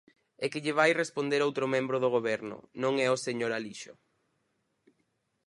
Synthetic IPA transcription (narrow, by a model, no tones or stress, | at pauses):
ɛkɪʎɪβ̞ajrespond̪eɾowt̪ɾʊmẽmbɾoð̞oɣ̞oβ̞ɛɾnʊ̰nõŋɛoseɲoɾaliʃo̰